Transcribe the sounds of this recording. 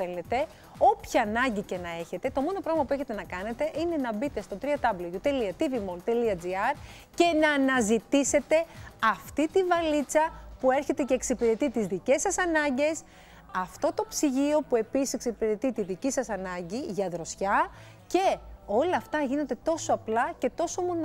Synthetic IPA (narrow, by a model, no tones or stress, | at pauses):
ele̞t̪e̞ | o̞pçɐːnɐɲɟice̞nɐe̞çe̞t̪e̞t̪o̞mo̞nopɾoɾɐmɐpue̞çe̞t̪e̞nɐkɐne̞t̪e̞ʔine̞nɐbit̪e̞st̪o̞t̪ɾiɐd̪ɐblojut̪eliɐt̪ivimolt̪eliɐd͡ziɐɾ | ce̞nɐːnɐzit̪ise̞t̪e̞ɐft̪it̪ivɐlit͡sɐpue̞ɾçe̞t̪e̞ce̞ːksipiɾe̞t̪it̪izðice̞sːɐsɐnɐɲɟe̞s | ɐft̪o̞t̪opsiʝio̞pue̞pisiseksipiɾe̞t̪it̪iðicisɐsɐnɐɲɟiʝɐðɾo̞sçɐ | ce̞o̞lɐːft̪ɐʝino̞nd̪et̪o̞soɐplɐce̞t̪o̞somon